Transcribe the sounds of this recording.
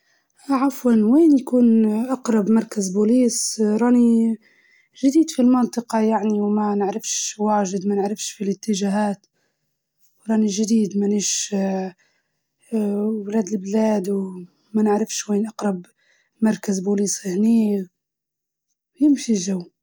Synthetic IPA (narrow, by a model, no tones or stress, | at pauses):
ʕafwanweːnjakuːnʔɑqɾˤɑbmɑɾˤkazbuːliːsɾˤɑːni | ʒɪd̪iːd̪filmɑnt̪ˤɨqɑjaʕniwmanɪʕɾɪfʃwaːʒɪd̪manɪʕɾɪfʃfilɪt̪ːɪʒaɦaːt̪ | wɾˤɑːniʒd̪iːd̪maniːʃ | wlaːd̪ɪlblaːd̪w | manɪʕɾɪfʃweːnʔɑqɾˤɑb | mɑɾˤkazbuliːshniː | jɪmʃiʒaw